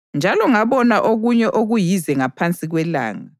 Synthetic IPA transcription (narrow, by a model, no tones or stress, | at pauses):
nd͡ʒʱalɔŋaβɔnaʔoɣuɲɛʔoɣujizɛŋapʰant͡sʼiɣwɛla̰ːŋa